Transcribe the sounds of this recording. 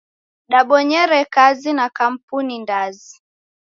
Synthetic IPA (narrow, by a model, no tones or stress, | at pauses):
ɗaɓɔɲɛɾɛkazinakam̩punindazi